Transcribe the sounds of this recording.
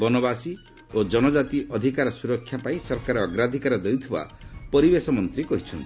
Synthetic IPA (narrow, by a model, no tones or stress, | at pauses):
bɔnɔbasi | od͡ʒɔnɔd͡ʒat̪iʔɔd̪ʱikaɾɔsuɾɔkʰːjapaĩsɔɾkaɾɔɔɡɾad̪ʱikaɾɔd̪ejut̪ʰiba̰pɔɾibesɔmɔnt̪ɾikɔɦit͡ʃʰɔnt̪i̥